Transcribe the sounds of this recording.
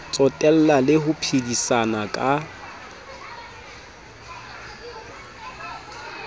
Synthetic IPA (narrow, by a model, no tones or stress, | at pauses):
t͡sʼɔtʼɛl̩lalɪhʊpʰidisanakʼa